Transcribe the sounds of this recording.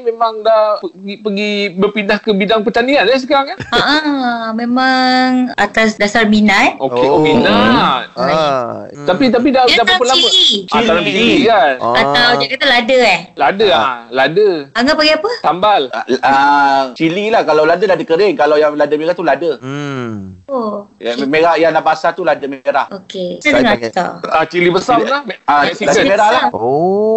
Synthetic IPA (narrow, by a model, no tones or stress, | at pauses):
memaŋdahpəɡipəɡibəpindahkəbidaŋpət̪anianas̬əkaɾaŋaaʔamẽmãŋat̪asdasarminat̪̚oeominat̪̚a | t̪apit̪̬ap̬idadap̪apəlabəit͡ʃiaaiiɡanat̪awd͡ʒakat̪aladəɛhladəaladəaŋapaɡiapət̪ambalat͡ʃililahkalawladəladəkəɾɪŋkalawjaŋladəmeɾat̪uladə | omeɾahjaŋlabasat̪uladəmeɾahokeadŋat̪a̰at͡ʃilibəsalaaasiladəmeɾahla